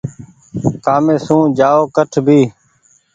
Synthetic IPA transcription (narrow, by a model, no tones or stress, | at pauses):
kaːmẽːsũːd͡ʒaːoːkəʈʰbʱiː